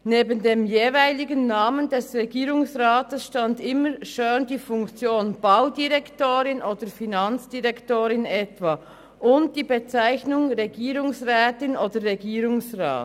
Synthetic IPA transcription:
neːbəndeːmjeːvaɪlɪɡənːaːməndɛsʁeɡiːʁʊŋsʁaːtəsʃtandɪməʃøːndiːfʊŋkt͡sjoːnb̥aʊdiʁɛktoːʁɪnʔoːd̥əfinant͡sd̥iʁɛktoːɾɪnɛtv̥aː | ʔʊnt̚d̥iːbet͡saɪçnʊŋʁeɡiːʁʊŋsʁɛːtɪnoːdəʁeɡiːɾʊŋsʁa̰ːt

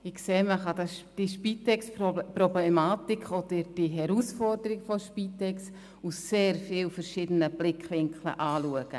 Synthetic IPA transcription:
ɪkseːməχɑdɑd̥iʃpiːtɛksprɔblɛmaːt̪ikχod̥̪əd̥iɦɛɾusfɔɾdəɾɪɡfɔʃpiːtɛks | usːeːɾfiːwfəɾʃid̥ənəb̥lɪkχʋɪŋklə̰ʔɑːluəɡ̥ə̰

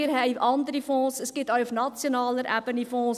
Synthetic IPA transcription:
ərɦɛjʔɐndəɾifɔ̃ːsəsɡ̥ɪtœwʊfnɑt͡sjonɑːləɾʔæbənifɔ̃ːs

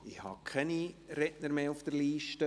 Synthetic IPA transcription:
ɪhɑ̰kʰɛniɾɛtnəɾmeːufd̥̪əɾliːʃtə

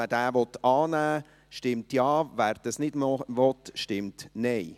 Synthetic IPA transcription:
əd̥æːʋɔt̪ɑːnæː | ʃtɪmtjɑːvæːɾd̪əsnɪd̥ʋɔt̪ʃtɪmtnɛɪ

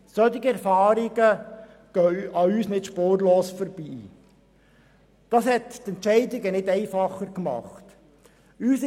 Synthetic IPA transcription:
sœt̪ɪɡəɛɾfɑːɾɪɡə | ɡ̥œɑyːsnɪtʃpoːɾloːsfɔɾb̥iː | d̥ɑːshɛttɛntt͡ʃɛɪdɪɡənɪtɛɪfɑχəɾkmɑ̰χt | yːs

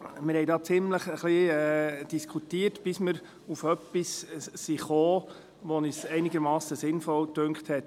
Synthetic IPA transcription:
mɪɾhɛɪdɑːt͡sɪmləχəχliɛd̥iskʰutiːərtb̥ɪsməɾ | ufœpːisːiχoː | ʋɔnisɛɪnɪɡəɾmɑːsəsɪnfɔltʉŋkχthɛt̪

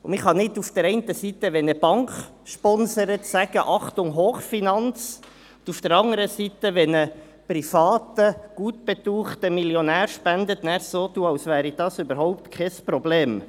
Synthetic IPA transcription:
ʊmɪχhɑnɪdufd̥əɾɛɪntəsit̪əʋɛnəb̥ɑŋk | ʃpɔnsəɾətsæɡ̥əʔɑχtʊŋɦoːχfinɑnt͡s | ʊd̥ufd̥əɾɑŋəɾəsit̪əʋɛnə | pɾifɑːt̪əɡ̥uːtb̥ɛt̪uːχtəmiljonæːɾʃpænd̪ət̪næɾsoːt̪uːɑwsʋæːɾid̥̪ɑsybəɾɦɔʊp̚t̪kʰɛspɾɔbleːm

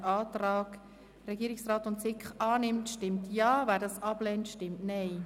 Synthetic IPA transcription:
ʔɑːt̪ɾɑːɡ̥ | ɾɛɡiːɾɪksrɑːtʊntsɪkχɑːnɪmtʃtɪmtʰjɑːvæːɾdɑːsɑb̥lɛːntʃtɪmtnɛɪ

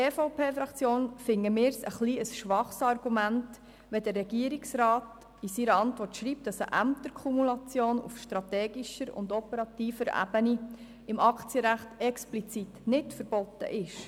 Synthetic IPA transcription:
eːfoʊpʰeːfɾɑkt͡sjoːnfɪŋːəmɪːɾsəχliːəsʃʋɑχsɑrɡumænt | ʋɛdərːɛɡiəɾiksɾɑːt | isiɾəɑntʋɔrtʃɾiːp̚t̚d̥ɑsə̰ʔæmt̪əɾkʰumulɑt͡sjoːnṵfʃtɾɑtɛːɡiʃəɾʊ̰nd̪ɔpəɾɑt̪iːfəɾæ̰b̥əni | ɪmɑkʰt͡sijəɾæχtɛksplit͡sitnɪtfəɾb̥ɔt̪ːə̰ʔɪʃ

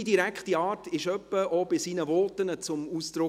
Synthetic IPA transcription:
idiɾækχtiɑːtɪʃœpːəʔɔb̥ɪsinəvɔːtənət͡sʊmuːsd̪̥ɾʊ

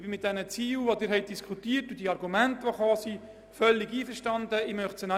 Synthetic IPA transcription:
b̥ɪmɪt̚d̥ɛnət͡siːlʋodɪːɾɦɛɪt̚d̥iskʰχutiːərtːʊd̥iɑrɡumæntəʋoχɑːsi | fœlːiɡiːfəɾʃtɑndəɪmœχsənɑ

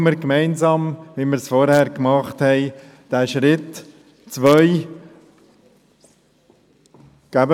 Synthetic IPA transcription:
məɾkmɛɪnzɑːmʋiməɾsfɔɾhæːɾkmɑχthɛɪ | d̥æːʃɾɪt | t͡sʋœʏ | ɡ̥æbə

